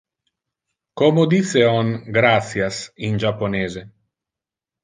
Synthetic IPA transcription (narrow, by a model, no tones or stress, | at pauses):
komod̪iseɔŋɡɾat̪sjasind͡ʒapːoneːze